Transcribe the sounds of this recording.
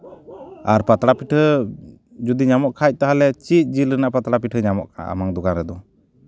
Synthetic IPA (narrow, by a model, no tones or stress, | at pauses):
aɾpat̪ɾapiʈʰhə | d͡ʒud̪iɲamɔʔkʰac̚ˀt̪aɦalɛt͡ʃic̪̚ˀd͡ʒilənaʔpat̪ɾapiʈʰhəɲamɔ̰ʔkʰa̰a̰maŋd̪ɔɡanɾɛd̪ɔ